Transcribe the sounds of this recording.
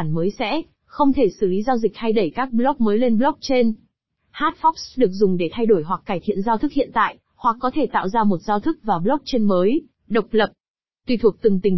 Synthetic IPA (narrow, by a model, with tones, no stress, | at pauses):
nməː˨˦jsɛ̰˧˥ | xə˧wŋ͡mt̪ʰe˧˩sɨ˧˩li˨˦zaː˧wzi˨˩k̚ha˧jɗə˧˩jkaː˦˥k̚ɓlɔ˦˥k̚məː˨˦jle˧nɓlɔ˦˥k̚t͡ɕe˧n | haː˦˥t̚fɔ˦˥k̚sɗɨ˨˩ək̚zʊ˨˩ŋ͡mɗe˧˩t̪ʰa˧jɗo˧˩jɦwa˨˩k̚ːaː˧˩jt̪ʰḭ˧˨ənzaː˧wt̪ʰɨ˦˥k̚hḭ˧˨ənt̪a̰ː˧˨jʔ | hwa˨˩k̚ːɔ˨˦t̪ʰe˧˩t̪a̰ː˧˨wzaː˧mo˨˩t̚zaː˧wt̪ʰɨ˦˥k̚vaː˨˩ɓlɔ˦˥k̚t͡ɕe˧nməː˨˦j | ɗə˨˩wk͡p̚lə˨˩p̚ | t̪wi˧˩t̪ʰu˨˩ək̚t̪ɨ˨˩ŋt̪ï˨˩ŋ